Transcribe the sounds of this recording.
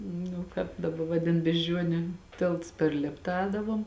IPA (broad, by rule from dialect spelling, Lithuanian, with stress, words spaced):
nʊ ˈkɑːp dɐˈbɐ ˈʋɑːdʲɪn bʲɛʒʲˈd͡ʒʲuɔnʲʊ ˈtʲeːlˠts pʲɛr ˈlʲeːptɐ ˈɛːdɐʋoːm